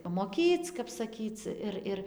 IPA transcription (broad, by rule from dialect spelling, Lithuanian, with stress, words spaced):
pɐmoːˈkʲiːt͡s kɐp sɐˈkʲiːt͡s ˈɪr ˈɪr